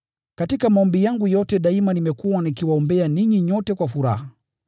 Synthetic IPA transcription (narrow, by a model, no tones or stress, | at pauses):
katikamaɔmbijaŋɡujɔtɛɗaimanimɛkuwanikiwaɔmbɛaniɲiɲɔtɛkwafuɾa̰ha